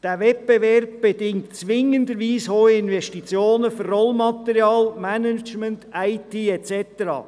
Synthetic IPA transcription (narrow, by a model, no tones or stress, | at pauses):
d̥æʋɛpb̥evɛrb̚b̥edɪŋtt͡sʋɪŋəndəɾʋiːshoːɪnvɛʃtit͡sjoːnəfʏrrɔlmɑt̪əɾjɑːlmænət͡ʃməntæɪtiːɛt͡sɛtəɾɑ̰ː